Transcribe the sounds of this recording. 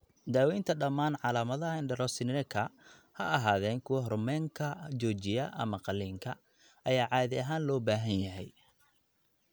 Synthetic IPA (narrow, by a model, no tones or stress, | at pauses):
d̪aːwɛjnt̪ʰɐɖɐmːaːnʕɑlaːmɐðɐɦɐɪnɖɛɾɔsɪnɪɾɛkʰɐ | hɐ̰ʔɐɦaːðɛːŋkʰʊwɐɦrʊmɛːŋkʰɐt͡ʃɔːt͡ʃɪjɐʔɐ̰mɐqɑlːiːŋkʰɐ | ʔɐjaːʕɑːðɪɐɦaːnlɔːbaːɦɐnjɐɦɛj